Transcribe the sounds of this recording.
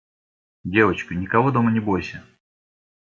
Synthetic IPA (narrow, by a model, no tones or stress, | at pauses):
dʲe̞vət͡ɕkʊnʲɪkɐvo̞d̪o̞mənʲɪbojsʲɪ